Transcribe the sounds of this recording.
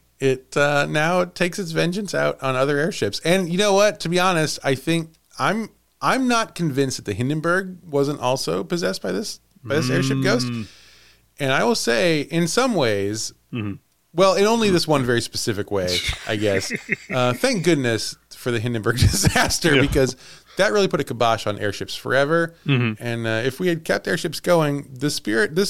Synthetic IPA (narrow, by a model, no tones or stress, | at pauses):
ɪt̚ʌnaʊtʰeɪksɨts̬vɛ̃nd͡ʒɨ̃nsa̰ʊɾn̩ʌðə˞ɛɹʃɪpsɨ̃njɨnoʊwʌtʰɨbiɑnɨstaɪθɪ̃ŋk̚ | ãɪ̃m | ʔãɪ̃mnət̚kʰɨ̃ɱvɪ̃nst̚ðɨt̪̚ðɨɦɪ̃ndɨ̃nbə˞ɡ̚wʌzə̃ntɔ̰lˠsoʊpɨzɛsb̥aɪðɪs | baɪðɪsɛɹʃɪp̚ɡ̥oʊst | ɨ̃ñaɪwəlˠseɪʔɪ̃nsʌ̃mweɪz̥ | wɛlˠɪ̃nõʊ̃nliðɪswʌ̃nvɛɹispɨsɪfɨkweɪʔa̰ɪɡɛsʌθæ̃ŋk̚ɡ̥ʊdⁿnɨsfə˞ðɨɦɪ̃ndɨ̃mbə˞ɡ̚dɨzææstə˞bɨkʌz | ðɨt̚ɹɪlˠipʰʊɾɨkʰəbɑʃn̩ʔɛ̰ɹʃɨpsfə̰˞ɛvə˞ʔɨ̃nʌɨfwiɨd̚kʰɛp̚tɛɹʃɨpsɡ̥oʊɪ̃ŋðɨspɪɹɨt̪̚ðɪ